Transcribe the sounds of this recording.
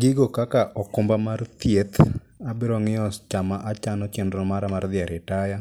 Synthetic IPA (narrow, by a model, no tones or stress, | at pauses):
ɡɪɡokakaʔɔkʊmbamart̪jet̪ | abɪɾɔŋɪɔst͡ʃamaʔat͡ʃanɔt͡ʃɛndɾɔmaɾamard̪ɪɛɾɪtaja